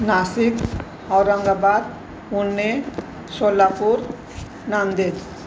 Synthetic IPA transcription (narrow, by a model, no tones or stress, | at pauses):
nasik | ɔwɾɔŋɡabad̪ | unːe | ʃolːapuɾ | nand̪eɾ